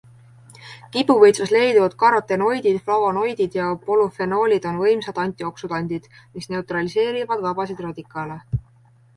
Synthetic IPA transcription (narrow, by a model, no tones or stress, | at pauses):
kibuvɤjt̪susle̞jd̪vɑd̪̥̚kɑɾot̪ːˑe̞no̞jd̪̥id̪̥flɑwono̞jd̪̥id̪̥jɑpo̞lufe̞no̞ːlʲid̪̥o̞nvɤjmsɑd̪̥ɑnʲt̪ʲˑio̞ksud̪̥ɑnʲd̪̥id̪̥ | misne̞ut̪rɑlise̞ːɾivɑd̪vɑb̥ɑsid̪ro̞d̪ʲikːˑɑle̞